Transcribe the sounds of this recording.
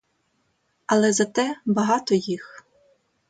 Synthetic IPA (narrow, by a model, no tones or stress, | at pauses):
ɐlˠɛzɐt̪ɛbɐɦɑt̪ɔjix